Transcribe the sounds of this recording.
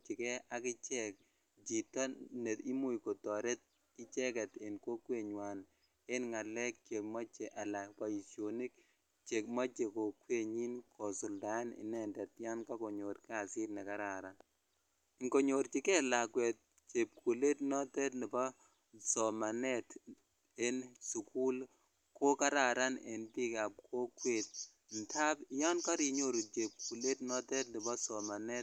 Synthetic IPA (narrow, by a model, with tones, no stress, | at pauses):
t͡ʃi˨kɛ˦a˨kɪ˦t͡ʃɛ˦k̚ | d͡ʒi˨tɔ˦ne˨ti˦mu˦jko˨tɔ˨ɾe˦t̚ | kɪ˦t͡ʃɛ˦kɛ˨te˨nko˦kwe˨ɲwa˨n | e˦nŋa˨lɛ˦k̚t͡ʃe˨k̚ma˦t͡ʃe˨ʔa˨la˨pa˦i˨sjo˨ni˦k̚ | t͡ʃe˨kma˦t͡ʃe˨ko˨kwe˦˨ɲi˦nkʰɔ˨sʊ˨lda˨˦nɪ̰˨nɛ˨ndɛ˨tja˦nka˦ko˨ɲo˨ɾka˨sɪ˦tnɛ˨ka˦ɾa˨ɾa˨ | ŋko˨ɲo˨ɾki˦kɛ˦la˨kwɛ˨t̚ | t͡ʃe˨p̚kʰu˨le˦tnɔ˦tɛ˦tnɪ˨bɔ˦ | sɔ˨ma˨nɛ˦t | e˦nsu˨ku˦l | ko˦ka˦ɾa˨ɾa˦nḛ˨npi˦ka˨p̚kʰo˦kwe˦˨t̚ | n̩˨tʰa˦pjɔ˦nka˦ɾi˨ɲo˦˨ɾu˨t͡ʃe˨p̚ku˨le˦tnɔ˦tɛ˦t̚nɪ˨bɔ˦sɔ˨ma˨nɛ˦t̚